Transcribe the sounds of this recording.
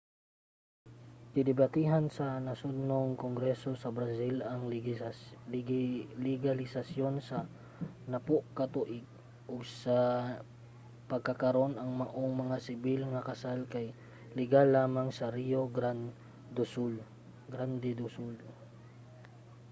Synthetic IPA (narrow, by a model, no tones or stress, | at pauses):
k̪ɪd̪ɪbat̪iɦansɐnɐsʊd̪noŋkoŋɡɾɛso̞sɐbɾasilʔɐŋ | lɪɡalɪsasjo̞nsɐ | nɐpoʔkɐt̪uʔɪɡ̚ | ʔʊɡsa | pɐɡ̚kakɐɾo̞nɐŋmɐʔoŋmɐŋasɪbɪlŋɐkɐsalkaj | lɪɡalːaːmaŋsɐɾioɡa | d̪ʊsul | ɡɾand̪ɛd̪ʊsul